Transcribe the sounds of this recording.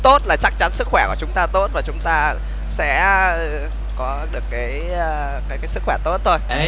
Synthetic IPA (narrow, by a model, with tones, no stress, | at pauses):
t̪o˦˥t̚laː˨˩t͡ɕa˦˥k̚t͡ɕa˨˦nsɨ˦˥k̚xwɛ˧˩ku˧˩t͡ɕʊ˨˦ŋ͡mt̪aː˧t̪o˦˥t̚vaː˨˩t͡ɕʊ˨˦ŋ͡mt̪aː˧ | sɛ̰˧˥ə˧ | kɔ˨˦ɗɨ˨˩əkːaː˨˦j | kaː˨˦jkaː˨˦jsɨ˦˥kxwɛ˧˩t̪o˦˥t̚t̪ʰo˧j